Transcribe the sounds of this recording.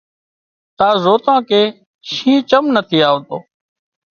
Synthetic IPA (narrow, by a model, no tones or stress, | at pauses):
t̪aːzoːt̪ãːkeː | ʃĩːt͡ʃəmnət̪ʰiːaːõːt̪o̰ː